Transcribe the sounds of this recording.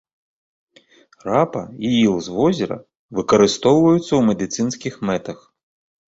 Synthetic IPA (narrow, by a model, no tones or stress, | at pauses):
rapɐ̰iilˠzʋɔzʲiɾɐ̰ | ʋɨkɐɾɨst̪ɔwvɐjʊt̪sʲːɐwmɛd̪ɨt̪sɨnsʲkʲixmɛt̪ɐx